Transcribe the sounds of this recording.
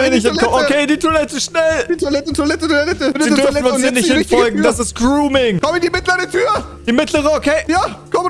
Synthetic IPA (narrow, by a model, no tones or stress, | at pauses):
nɪçtɪkɔokʰeːdiːtʰoɐlɛtəʃnɛld̥itʰoɐlɛt̩tʰoɐlɛtədlɛtəiːdʏɐfnʊnsiːɐnɪçthɪnfɔlɡŋ̩d̥asɪst̚ɡ̥ʁuːmɪŋkʰɔməndiːmɪtləʁətʰyːɐ | d̥iːmɪtʰləʁəokʰeːjaːkʰɔm